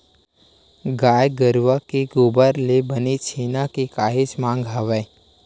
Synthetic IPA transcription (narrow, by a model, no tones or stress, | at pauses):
ɡaːjɡəɾʋakiɡoːbəɾlebənit͡ʃʰiːnakikaːɦɪt͡ʃmãːŋɡʱaʋəj